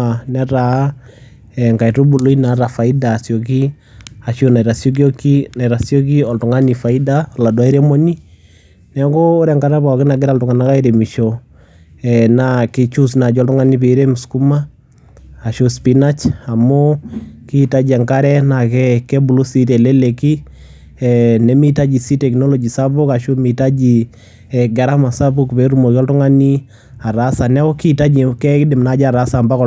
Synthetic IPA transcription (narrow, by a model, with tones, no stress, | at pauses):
anɛ˦ra˨˦ | ɛ˨ŋka˨i˨tu˦bu˨lo˦i˦na˨˦ɾa˨fa˨i˦da˨sjo˨k̬i˦ | a˨ʃo˦na˨iɾa˨sjo˦k̬ɔ˦ki˦na˨i˨ɾa˨sjo˦k̬i˦ɔ˨ltʊ˨ŋa˦ni˨fa˨i˦da˨la˨dwa˦i˦ɾɛ˦mo˦ni˦ | nɛ˨˦koː˦ɾɛ˨ŋka˦ɾɛ˦pa˨ki˦na˨ɡɪ˦ɾa˦ltʊ˨ŋa˨na˦ka˦i˦ɾe˨mi˨ʃo˨ | ɛna˨kɪ˨t͡ʃu˦sna˨d͡ʒɔ˦ltʊ˦ŋa˦ni˦pe˨ɾe˦mʊ˨sku˦maː˦˨ | ʃo˦spina˦t͡ʃa˨mo˦kita˦d͡ʒi˨a˨ŋka˦ɾɛ˦na˨kɛkɛ˦bu˨lo˦si˦tɛ˨lɛ˦le˨ki˦ | ɛnɛ˦mi˦ta˦d͡ʒi˨si˦tɛ˨knɔ˦lɔ˨d͡ʒi˨sa˦pʊ˦ka˨ʃo˦mi˨ta˦d͡ʒi | ɛ˨ɡɛ˨ɾa˦ma˨sa˦bu˦kpe˨ɾu˦mɔ˨kɔ˦ltʊ˦ŋa˦ni˦ | a˨ɾasa˨nɛ˦ɔ˦kita˦d͡ʒi˨kɛkɪ˦dɪ˨mna˦d͡ʒa˨ɾasa˨mba˦kɔ